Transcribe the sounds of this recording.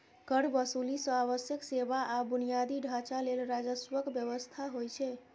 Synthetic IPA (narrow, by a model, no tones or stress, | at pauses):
kəɽbəsulisəaβəsjəksebaʔabunijad̪iɖʱat͡ʃalelɾad͡ʒəswəkbjəβəst̪ʰaɦojt͡ʃʰɛ